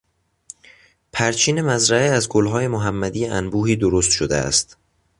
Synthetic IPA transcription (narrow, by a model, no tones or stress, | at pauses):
pʰæɾt͡ʃʰiːne̞mæzɾæeæzɡolɦɒːje̞moɦæmːæd̪iːjeʔænbuːhiːd̪oɾost̪ʃod̪ḛæ̰st̪